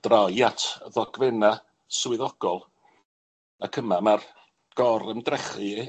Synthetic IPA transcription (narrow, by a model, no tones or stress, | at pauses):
d̥rajatʰðɔɡ̥vɛna | swɪðɔɡ̥ɔlˠ | akʰəmamar | ɡ̥ɔɾəmdrɛχɨ